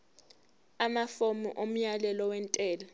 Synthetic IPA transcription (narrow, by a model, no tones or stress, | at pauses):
amafomṵʔom̩jalɛlɔwɛntʼɛːla